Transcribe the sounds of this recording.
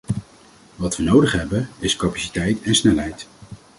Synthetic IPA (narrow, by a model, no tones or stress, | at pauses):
ʋɑtʋənowdəχɦɛbənɪskɑpasi̥tɛjtɛnsnɛlɦɛjt